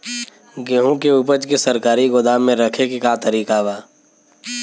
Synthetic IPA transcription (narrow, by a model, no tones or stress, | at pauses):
ɡeɦõkeupəd͡ʒkesɐɾkaːɾiɡʊd̪aːmːẽɾɐkʰekekat̪əɾiːkaʋaː